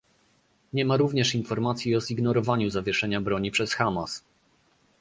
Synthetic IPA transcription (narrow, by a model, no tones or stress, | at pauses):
ɲɛmaɾuvɲɛʂinfɔɾmat̪sʲjiɔziɡnɔɾɔvaɲuzavʲjɛʂɛɲabɾɔɲipʂɛsxamas